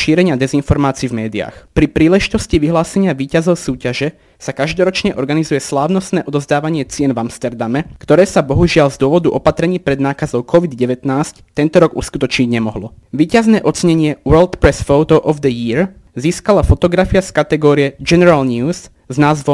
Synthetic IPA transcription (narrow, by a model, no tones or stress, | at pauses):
ʃiːɾɛɲɪad̪ɛzinfɔɾmaːt͡siːvmɛːd̪ia̰ːxpɾipɾiːlɛʒit̪ɔsciʋiɦlaːsɛɲɪaʋiːcazɔʊsuːcaʒɛ | sakaʒd̪ɔɾɔt͡ʃɲɛʔɔɾɡanizujɛslaːʊnɔst̪nɛːʔɔd̪ɔzd̪aːʋaɲɪɛt͡sɪɛnvamst̪ɛɾd̪amɛkt̪ɔɾɛːsabɔɦuʒɪaʎzd̪ʊɔʋɔd̪uʔɔpat̪ɾɛɲiːpɾɛd̪naːkazɔʊkʰɔʋid̪ɟɛʋɛt̪naːsct̪ɛnt̪ɔɾɔɡṵskut̪ɔt͡ʃɲiɟɲɛmɔɦlɔ | ʋiːcaznɛːʔɔt͡sɛɲɛɲɪɛʋɛːlt̪pɾɛsfɔʊt̪ɔʔɔvd̪əjiɾ | ziːskalafɔt̪ɔɡɾafiaskat̪ɛɡɔːɾiɛd͡ʒɛnɛɾalɲuːz | znaːzʋɔ